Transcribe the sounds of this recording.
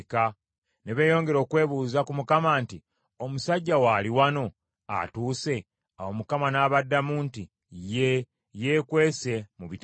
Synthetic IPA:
ka | ne̞βe̞ːjo̞ːŋɡe̞ɾo̞ːkwe̞ːβuːzakumukamaːnti | o̞musaɟːawaːliwano̞ | a̰tuːse̞ | awomukamanaβadːamuːnti | je | je̞ːkwe̞ːse̞muβit

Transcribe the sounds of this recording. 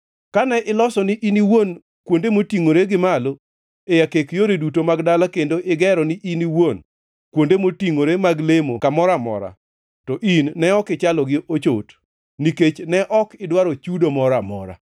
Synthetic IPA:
kanɛʔɪlɔsɔnɪʔiniwon | kwondemotiŋoɾeɡɪmalo | ejakekjoɾedutomaɡdalakendoʔɪɡɛɾɔnɪʔiniwon | kwondemotiŋoɾemaɡlemokamɔɾamɔ̰ɾa̰ | tɔʔinːɛɔkɪt͡ʃalɔɡɪʔot͡ʃot | niket͡ʃnɛʔɔkɪdwaɾɔt͡ʃudomɔɾamɔ̰ɾa̰

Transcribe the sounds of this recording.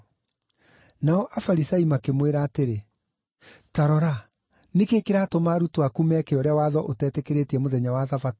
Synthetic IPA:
naɔʔafaɾisaimakemweɾaːteɾe | taɾɔɾa | nekekeɾatomaɾutowakumɛkeɔɾeawaːðɔʔotɛːtɛkeɾetiɛmoðɛɲawaðafat

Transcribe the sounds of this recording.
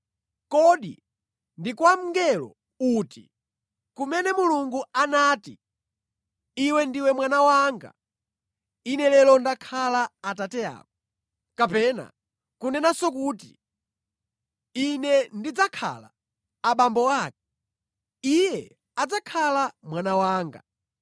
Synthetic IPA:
kɔɗḭ | ndikwam̩ŋɡɛlɔ̰ | utḭ | kumɛnɛmuluŋɡuanaːti | iwɛndiwɛmwanawaŋɡa̰ | inɛlɛlɔndakʰalaːtatɛa̰ːk̚ɔ | kapɛna̰ | kunɛnasɔkuːti | inɛndid͡zakʰa̰la̰ː | ɓambɔaːk̚ɛ̥ | ijɛ | ad͡zakʰalamwanawaːŋɡa̰

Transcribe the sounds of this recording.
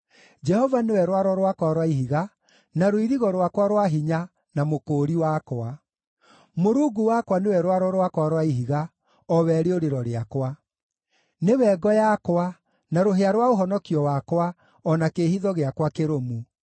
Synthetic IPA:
d͡ʒɛhɔvanewɛɾwaɾɔɾwakwaɾwaiɦiɣa | naɾoiɾiɣɔɾwakwaɾwaɦiɲa | namokoːɾiwakwa | moɾuːɡuwakwanewɛɾwaɾɔɾwakwaɾwaiɦiɣa | ɔwɛɾeoɾeɾɔɾeakwa | newɛɡɔjakwa | naɾoɦeaɾwaoɦɔnɔkiɔwakwa | ɔnakehiðɔɣeakwakeɾomu

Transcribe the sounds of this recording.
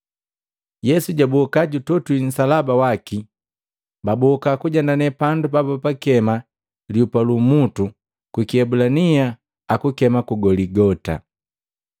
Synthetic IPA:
jɛsuɟabɔkaɟutɔtuin̩salabawaki | babɔkakuɟandanɛpandupapɔpakɛma | liupalumutu | kwikiɛbulania | akukɛmakuɡɔliɡɔta̰

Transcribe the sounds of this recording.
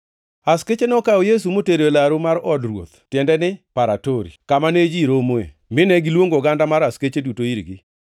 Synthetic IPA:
asket͡ʃenɔkaɔjes̬umoteɾolaɾomaɾɔdrwo̰t̪tjɛndɛnɪpaɾatoɾḭkamaned͡ʒiɾomoḛ | mɪnɛɡɪlwoŋɡoɡandamaɾasket͡ʃedutoiɾɡɪ

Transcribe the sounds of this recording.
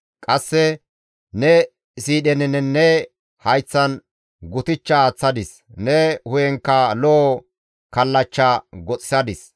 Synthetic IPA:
kʼɐsːɛ | nɛ | siːɗɛnɛnɛnːɛ | hɐjt͡sːɐn | ɡʊt̪ɪt͡ʃːɐːt͡sːɐd̪ɪs | nɛhʊjɛŋkːɐlɔ | kɐlːɐt͡ʃːaɡɔt͡sʼɪ̥sɐd̪ɪs

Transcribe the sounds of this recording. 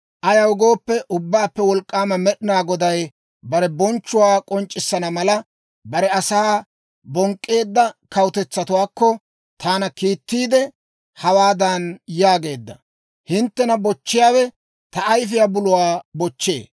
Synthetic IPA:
ʔɐjɐwʊɡo̞ːpːɛʔʊbːaːpːɛwɔlkʼːaːmɐmɛɗɪnaːɡɔd̪ɐj | bɐɾɛbɔnt͡ʃːʊwaːkʼɔnt͡ʃʼːɪsːɐnɐmɐlɐ | bɐɾɛɐsaː | bɔŋkʼːe̞ːd̪ːɐkɐwʊt̪ɛt͡sːɐt̪ʊwaːkːɔ | t̪aːnɐkiːt̪ːiːd̪ɛ | hɐwaːd̪ɐnjaːɡe̞ːd̪ːɐ | hɪnt̪ːɛnɐbɔt͡ʃːɪjaːwɛ | t̪ɐːjf̬ɪjabʊlʊwaːbɔt͡ʃːe̞̰ː

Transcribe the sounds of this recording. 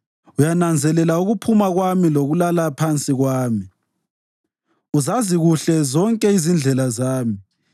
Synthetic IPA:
ujanand͡zʱɛlɛlauɣupʰumaɣwamiloɣulalapʰant͡sʼiɣwaːmi | uzaziɣuɬɛzɔŋkʼɛizind͡ɮʱɛlazaːmi

